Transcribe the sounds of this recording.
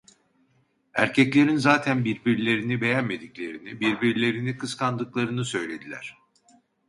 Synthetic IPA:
æ̰ɾcʰɛclʲe̞ɾinzaːt̪ʰænbiɾbiɾlʲe̞ɾinibe̞jænme̞d̪iclʲe̞ɾinibiɾbiɾlʲe̞ɾinikʰɯskʰand̪ɯklˠaɾɯnɯsø̞jlʲe̞d̪ilʲæ̰ɾ̝̥

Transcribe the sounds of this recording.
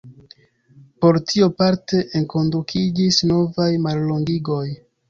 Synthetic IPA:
po̞ɾtʰiopaɾte̞ʔeŋko̞ndukʰid͡ʒisno̞vajmalːo̞ŋɡiɡo̞j

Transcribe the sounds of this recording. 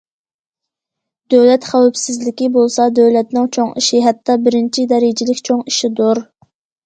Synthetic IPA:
d̪øwlɛt̪χæwɛpsɪzlɪkʲibolˠsɑd̪øwlɛt̪̚nɪŋt͡ʃʰoŋiʃiɦɛt̪ːɑbɪɾɪnt͡ʃʰid̪ɛɾɪd͡ʒilɪkʲt͡ʃʰoŋiʃid̪oɾ

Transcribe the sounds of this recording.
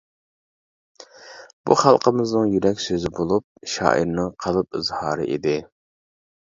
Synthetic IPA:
b̥uχɑlˠqəmɪznɨŋjyɾɛkʲsøzɪbolˠup̚ʃɑ̰ːʔḭɾnɨŋqʰɑlˠɨp̚ɨzhɑːɾɨ̰ʔid̪ɪ

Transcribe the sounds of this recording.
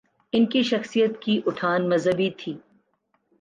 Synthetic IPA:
ɪnkiʃɐxsijət̪kiʔʊʈʰaːnmɐzɦəbit̪ʰiː

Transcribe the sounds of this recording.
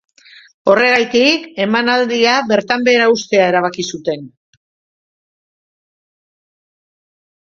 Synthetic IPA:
o̞re̞ɣ̞ajt̪ike̞manald̪iaβe̞ɾt̪ambe̞ːɾaust̪e̞ae̞ɾaβakisut̪e̞n

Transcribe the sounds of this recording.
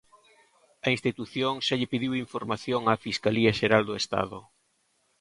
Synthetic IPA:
ɐinst̪it̪uθjoŋʃaʎɪpiðiwiɱfoɾmaθjoŋafiskaliɐʃeɾald̪oʊest̪a̰ðʊ̰

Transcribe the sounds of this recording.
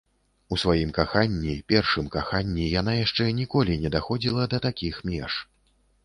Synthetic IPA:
usvajimkaxanʲːipʲɛrʂɨmkaxanʲːijan̪ajaʂt͡ʂɛnʲikɔlʲinʲɛd̪axɔd͡zʲilˠɐd̪ɐt̪akʲixmʲɛʂ

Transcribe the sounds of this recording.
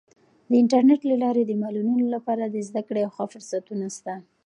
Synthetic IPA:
d̪əɪɳʈaɾneʈlalɑɾed̪əmɑlulunolapɑɾad̪əzd̪akɽeawxafʊɾsat̪unast̪a

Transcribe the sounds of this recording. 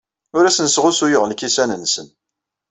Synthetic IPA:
ʊɾæsənsʁʊsujəʁlkisænənːsən

